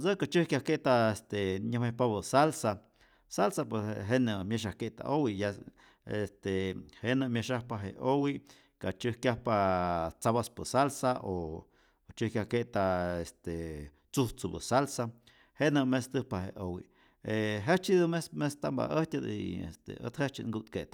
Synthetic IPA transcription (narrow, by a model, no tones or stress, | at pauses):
səkat͡ʃɨhkʲahkeʔt̪aest̪eɲəhmepabəsalsa | salsapwesɦenəmjeʃ̬ahkeʔt̪a̰ʔowija | est̪ehenəmeʃahpaɦḛʔowi | kat͡ʃəhkjahpat͡saβaspəsalsaʔo | t͡ʃɨhkjʲahkeʔt̪aest̪e | t͡suht͡subə̰salsa | henəmest̪ɨhpaɦḛʔowḭ | eɦet͡ʃid̪umesmest̪amba̰ʔəht̪ʲad̪ḭḛst̪ḛə̰t̪het͡ʃiŋɡut̪keʔt̪